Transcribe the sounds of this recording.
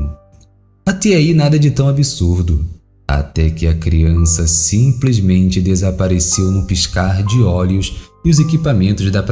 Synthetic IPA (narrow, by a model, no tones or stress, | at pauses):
at̪ɛainad̪ɐd͡ʒɪt̪ɐ̃w̃abisuɾd̪ʊ | a̰t̪ɛkɪɐkɾiɐ̃sɐsĩplizmẽnt͡ʃɪd̪ezapaɾesewnʊpiʃkaɾd͡ʒɪɔljʊsɪʊzekipamẽnt̪ʊzd̪ɐp